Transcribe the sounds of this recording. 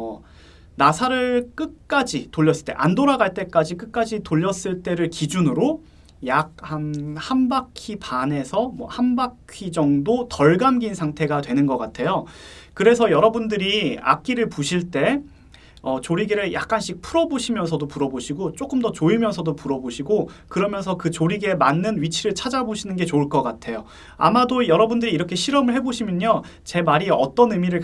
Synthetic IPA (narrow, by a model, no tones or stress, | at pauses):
nasʰaɾɯɭk͈ɯk̚k͈ad͡ʑitoʎːʌs͈ɯɭt͈e̞ʔandoɾaɡaɭt͈e̞k͈ad͡ʑik̬͈ɯk̚k͈ad͡ʑitoʎːʌs͈ɯɭt͈e̞ɾɯɭkid͡ʑunɯɾo | jak̚hanhambakʰipane̞sʰʌmwʌhanbakʰid͡ʑʌŋdotʌɭɡamɡinsʰaŋtʰe̞ɡatwe̞nɯnɡʌk͈atʰe̞jokɯɾe̞sʰʌjʌɾʌbundɯɾia̰k͈̚iɾɯɭpuɕʰiɭt͈e̞ | ʌt͡ɕoɾiɡeɾɯɭjʔa̰k̚k͈anɕʰik̚pʰuɾʌboɕʰimjʌnsʰʌdopuɾʌboɕʰiɡot͡ɕ͈ok͈ɯmdʌt͡ɕoimjʌnsʰʌdopuɾʌboɕʰiɡokɯɾʌmjʌnsʰʌkɯt͡ɕoɾiɡe̞manːɯnɥit͡ɕʰiɾɯɭt͡ɕʰad͡ʑaboɕʰinɯnɡe̞t͡ɕoɭk͈ʌk͈atʰe̞jo | a̰madojʌɾʌbundɯɾiːɾʌkʰe̞ɕʰiɾʌmɯɭɦe̞boɕʰimjʌɲot͡ɕe̞maɾiʌt͈ʌnɯmiɾɯɭ